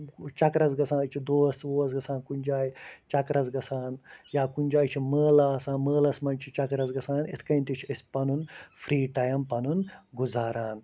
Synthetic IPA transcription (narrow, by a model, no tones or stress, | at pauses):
t͡ʃɐkɾɐzɡɐsʰãːnɨt͡ʃʰid̪oːsoːɐsɡɐsaːnkunʲd͡ʒaːjt͡ʃɐkɾɐzɡɐsaːnjaːkunʲd͡ʒaːjt͡ʃʰiməːlaːsãːnməːlɐsmɐnt͡ʃʰit͡ʃɐkɾɐzɡɐsaːnḭt̪ʰkɐinʲt̪it͡ʃʰɐsʲpɐnunfʰɾiːʈɐjɐmpɐnunɡuzaːɾaːn